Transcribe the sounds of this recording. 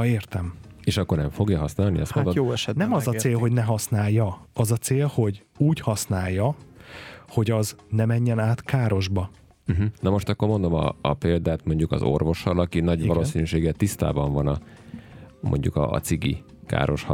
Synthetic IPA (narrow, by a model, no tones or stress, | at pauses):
eːrt̪ɛmeːʃɒkːornɛɱfo̞ɡjɒɦɒsnaːlniɒst̪mod̪ojːɛʃɛnɛmɒzɒseːlɦo̞ɟnɛɦɒsnaːjːɒɒzɒt̪seːlho̞ɟ | uːchɒsnaːjːɒ | ho̞ɟɒznɛmɛɲːɛnaːt̪kaːɾo̞ʒbɒ | m̩ɦ̩nɒmo̞ʃt̪ɒkːo̞rmo̞nd̪o̞mɒ̰ːpeːld̪aːt̪mo̞ɲɟukɒ̰zo̞̰rvo̞ʃɒlɒkinɒɟvɒloːsinyʃeːɡɛt̪ːist̪a̰ːbɒɱvɒnɒ | mo̞̰ɲɟukɒ̰ːt̪siɡi | ka̰ːɾʔo̞ʃhɒ